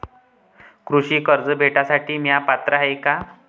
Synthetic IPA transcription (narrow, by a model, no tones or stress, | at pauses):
kɾuɕiːkəɾd͡zəbʱeʈasaʈiːmjapat̪ɾəɦejka